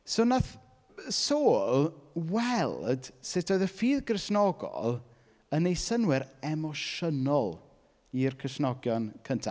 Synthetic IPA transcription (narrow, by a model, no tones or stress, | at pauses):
soːnaθ | soːlˠwɛlˠd̥sɪtʰoðəfiːðɡrɪsnɔɡɔ̰lˠ | ənejsənwɪɾɛmɔʃənɔlˠ | irkʰrɪsnɔɡjɔnkʰəntʰa